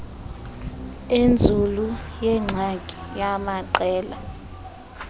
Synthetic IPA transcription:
end͡zʱulujɛŋ͡ǀʱaɡʱʼi̥jamaǃɛːla

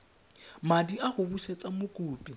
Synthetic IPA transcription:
madiaɣʊbuʃet͡sʼamʊkʼuːpʼi

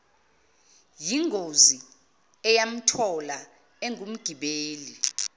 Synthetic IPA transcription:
jiŋɡʱozi | ɛjam̩tʰɔla | ɛŋʱum̩ɡ̥ʱiɓeːli

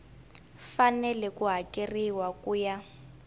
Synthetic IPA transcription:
fanɛlɛkuɦakʼiriwakuːja

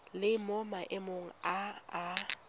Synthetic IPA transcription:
lɪmʊmaʔɪmoŋ̩aː

